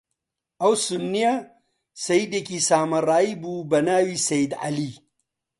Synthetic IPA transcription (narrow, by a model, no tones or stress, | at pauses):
ɐwsunːija | sɐid̪ekisaːmɐɾaːibuːbɐnaːwisɐjid̪ɐ̰li